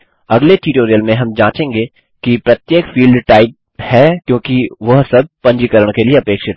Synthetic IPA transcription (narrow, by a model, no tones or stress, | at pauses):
ɐɡleʈiʈoːɾijəlmẽɦɐmd͡ʒãːt͡ʃẽːŋɡe | kipɾɐt̪jeːkfiːlɖʈaːɪp̚ | hɛːkjõːkiʋɐɦsɐb̚pɐ̃ɲd͡ʒikəɾəɽ̃kelieɐpeːkʃɪt̪